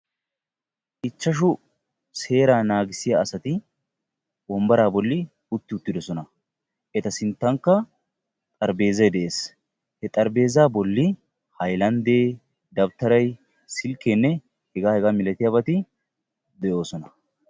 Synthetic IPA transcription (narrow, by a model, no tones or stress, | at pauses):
ʔɪt͡ʃːɐʃʊ | se̞ːɾaːnaːɡɪsɪjaːsɐt̪ɪ | wɔmbɐɾaːbɔlːɪ | ʊt̪ːɪʊt̪ːɪd̪ɔsɔnɐ | ʔɛt̪ɐsɪnt̪ːɐŋkːɐ | t̪ʼɐɾbe̞ːzɐjd̪ɛʔeːs | hɛt̪ʼɐɾbe̞ːzaːbɔlːɪ | hɐjlɐnd̪eː | d̪ɐbt̪ɐɾɐj | sɪlkːenːɛ | hɛɡaːhɛɡaːmɪlɛt̪ɪjabɐt̪ɪ | d̪ɛʔo̞ːsɔnɐ